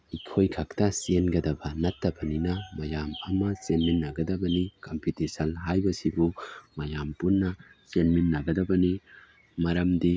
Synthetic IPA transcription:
ikʰojkʰɐktɐsenɡɐdɐbɐnɐtːɐbɐninɐmɐjamɐmɐsenminːɐɡɐdɐbɐnikɐmpitesɐnɦajbɐsibumɐjampunːɐsenminːɐɡɐdɐbɐni | mɐɾɐmdi

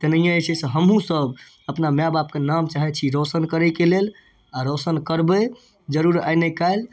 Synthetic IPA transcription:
t̪ənəijãet͡ʃʰɛseɦəmɦũsəb | əpnamabap̚kenamt͡ʃaɦɛt͡ʃʰiɾosənkəɾəkelel | aɾosənkəɾbə | d͡ʒəɾuɾa̰jnekaɪl

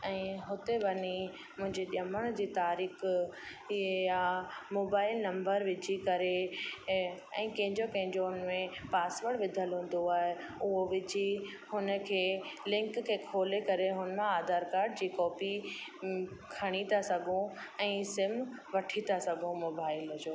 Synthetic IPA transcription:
ɛ̃ːɦʊt̪eʋɐni | mʊ̃ɦɪ̃ɲd͡ʑeɗɐməɽ̃d͡ʑiːt̪aːɾiːx | jamoːbaːɪlnɐ̃mbəɾʋɪd͡ʑʱikɐɾe | ɛ̰̃ːkɐ̃ɦɪ̃ɲd͡ʑokɐ̃ɦɪ̃ɲd͡ʑoʊnmẽpaːsʋəɽʋɪd̪ʱəlɦũːn̆d̪oaːɦe | ʊɦoʋɪd͡ʑʱi | hʊnə̆kʰeːlɪ̃ŋkkʰːeːkʰoːlekɐɾeɦʊnmẽaːd̪aːɾkaːɾɖd͡ʑiːkɔːpi | kʰɐɽ̃it̪ʰasɐɡʱõɛ̃ːsɪmʋɐʈʰit̪asɐɡʱõmoːbaːɪld͡ʑoː

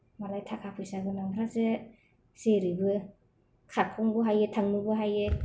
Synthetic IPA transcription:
malajtʰakʰapʰɯjsaɡɯnaŋɾazɯ | zeɾibɯ | kʰat̚kʰɔŋbɯɦajetʰaŋnubɯɦaje

